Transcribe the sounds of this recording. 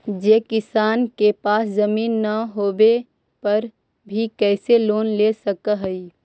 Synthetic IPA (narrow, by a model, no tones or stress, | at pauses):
d͡ʒeːkɪsaːnkepaːszɐmiːnːɐɦoːbe | pɐɾ | bʱikɛːseloːnlesɐkaɦɛi